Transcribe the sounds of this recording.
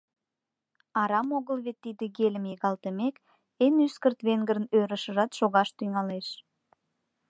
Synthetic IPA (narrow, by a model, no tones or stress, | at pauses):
ɑɾɑmoɣəlβet̪ːid̪əɣelʲəmjeɣɑlt̪əmek | enyskərt̪βeŋɡəɾənøɾə̆ʃə̆ʒɑt̪ʃoɣɑʃt̪yŋɑleʃ